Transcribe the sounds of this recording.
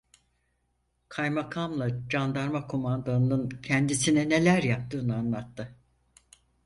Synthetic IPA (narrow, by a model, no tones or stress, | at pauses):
kʰajmakʰamlˠad͡ʒand̪aɾmakʰomand̪anɯncʰɛnd̪isinɛne̞lʲæɾjap̚t̪ʰɯːnɯanlˠat̪ʰːɯ